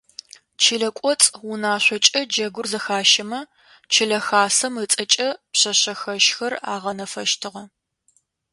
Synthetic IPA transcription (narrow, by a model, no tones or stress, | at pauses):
t͡ʃʰiɮɐkʷʼɔt͡sʼwʊnaːɕʷɔt͡ʃʼɐd͡ʒɐɡʷʊrzɐxaːʃɐmɐ | t͡ʃʰɪɮɐxaːsɐmɨt͡sʼɐt͡ʃʼɐpɕɐɕɐxɐʃxɐra̰ːʁɐnɐfɐʃtʰɨʁɐ